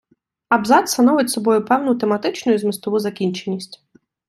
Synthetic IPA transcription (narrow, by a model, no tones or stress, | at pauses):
ɐbzɑt̪st̪ɐnɔʋɪtʲsɔbɔjʊpɛwnʊt̪emɐt̪ɪt͡ʃnʊjʊzmɪst̪ɔʋuzɐkʲinʲt͡ʃe̞nʲːisʲtʲ